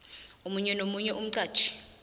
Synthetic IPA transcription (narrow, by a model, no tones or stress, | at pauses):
omuɲɛnomuɲɛʔum̩ǀaːd̥ʒ̥ʰʱʼi̥